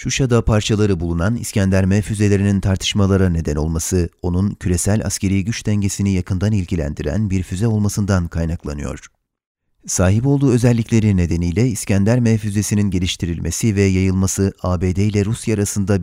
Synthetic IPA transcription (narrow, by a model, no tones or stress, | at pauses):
ʃuʃad̪apʰaɾt͡ʃʰalˠaɾɯbulˠunanḭscænd̪ʲæɾmɛfyze̞lʲe̞ɾinint̪ʰaɾt̪ʰɯ̥ʃmalˠaɾane̞d̪æno̞̰lˠmasɯo̞nuncʰyɾe̞sælʲa̰scʰe̞ɾijɟyt͡ʃd̪ɛɲɟe̞sinijakʰɯnd̪anilʲcilʲæ̰nd̪iɾæ̰nbiɾfyzɛo̞lˠmasɯnd̪ankʰajnaklˠa̰nɯ̰jo̞̰ɾ̝̥ | saːɦibo̞lˠd̪uːø̞zɛlʲːiclʲe̞ɾine̞d̪e̞nijlʲɛiscænd̪ʲæɾmɛfyze̞sininɟe̞lʲiʃt̪ʰiɾilʲmʔe̞sivɛjajɯlˠmasɯaːbe̞ːd̪ejlʲɛɾusjaːɾasɯnd̪a